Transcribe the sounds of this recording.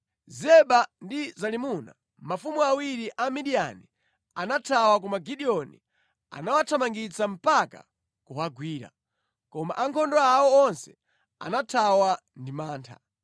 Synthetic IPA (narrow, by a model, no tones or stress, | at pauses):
zɛɓandizalimuna̰ | mafumuawiɾiʔamiɗia̰ni | anatʰawakɔmaɡiɗiɔnḭ | a̰nawatʰamaŋɡit͡sam̩paka̰ | kuɦaɡwiːɾa̰ | kɔma̰ʔaŋkʰɔndɔaɔɔnsɛ | a̰natʰawa | ndimaːntʰa̰